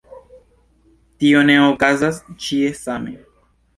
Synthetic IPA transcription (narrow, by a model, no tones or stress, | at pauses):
tio̞neokazast͡ʃie̞samḛ